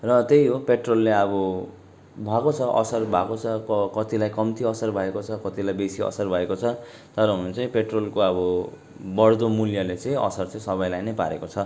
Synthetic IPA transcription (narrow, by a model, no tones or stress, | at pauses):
rʌt̪ejɦopeʈrolːeʌbʌ | bʱakot͡sʰʌʔʌ̰sʌrbʱakot͡sʰʌkʌkʌt̪ilajkʌmt̪iʌsʌrbʱʌekot͡sʰʌkʌt̪ilajbesiʌ̰sʌrbʱʌekot͡sʰʌ | t̪ʌɾʌɦunut͡sʌĩpeʈrolkoʌbʌ | bʌɽd̪omuljalet͡sãĩʌ̰sʌrt͡saĩsʌβʌjlajnʌjpa̰ɾekot͡sʰʌ